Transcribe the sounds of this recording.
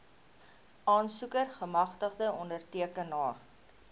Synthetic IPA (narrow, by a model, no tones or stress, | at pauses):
ʔɑːnsukərχəmɐχtəχdəɔndərtiəkənːɑː